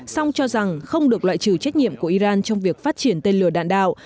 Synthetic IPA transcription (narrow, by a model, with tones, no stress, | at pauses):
sa˧wŋ͡mt͡ɕɔ˧za˨˩ŋxə˧wŋ͡mɗɨ˨˩ək̚lwa̰ː˧˨jt͡ɕɨ˨˧˩t͡ɕa˦˥k̚ɲḭ˧˨əmku˧˩əʔi˧zaː˧nt͡ɕɔ˧wŋ͡mvi˨˩ək̚faː˦˥t̚t͡ɕi˧˩ənt̪e˧nlɨ˧˩əɗa̰ː˧˨nɗa̰ː˧˨w